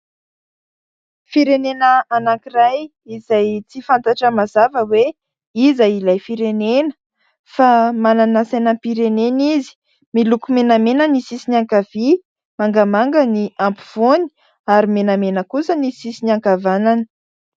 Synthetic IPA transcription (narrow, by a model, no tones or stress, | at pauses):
fiɾenenəanakiraj | izajt͡sifant̪aʈ͡ʂəmazavəwe | izailajfiɾenenə̥ | famananasanampiɾenenizi̥ | milukumenamenənisisinaŋkav̥i | maŋɡəmaŋɡəniampu̥v̥oni̥ | aɾimenamenəkusənisisiniaŋkavanani̥